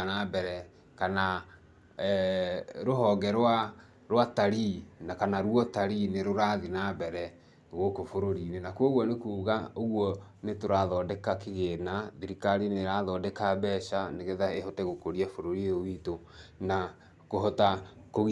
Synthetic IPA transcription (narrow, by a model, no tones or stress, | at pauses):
nabɛɾɛ | kana | ɾoɦɔɡɛɾwa | ɾwataɾinakanaɾwɔtaɾineɾoɾaðinabɛɾɛ | ɣokofoɾoɾinenakoɣwɔnekuːɣaoɣwɔ | netoɾaðɔːdɛkakeɣenaðiɾikaɾineɾaðɔːdɛkaβɛʃaneɣeðaeɦɔtɛɣokoɾiafoɾoɾiowito | na | koɦɔtakoɣ